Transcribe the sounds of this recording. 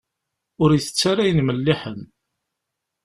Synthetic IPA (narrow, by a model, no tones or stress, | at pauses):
ʊɾjəθə̥t͡sːaɾajənməlːiħən